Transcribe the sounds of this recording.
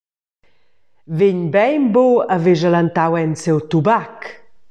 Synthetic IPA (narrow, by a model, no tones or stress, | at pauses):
veɲbɛjmboaveʒalant̪awɛnsɛwt̪ubak